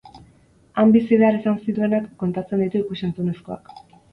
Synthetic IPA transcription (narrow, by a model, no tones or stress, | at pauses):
ambisiðe̞aɾesansit̪ue̞nakːo̞nt̪at͡se̞nd̪it̪uikusent͡sune̞sko̞a̰k